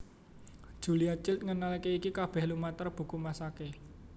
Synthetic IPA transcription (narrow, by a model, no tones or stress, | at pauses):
d̥ʒ̥ṳliat͡ʃɪlt̪̚ŋənalikeikikab̥ɛ̤hlumat̪ərb̥ṳkumasake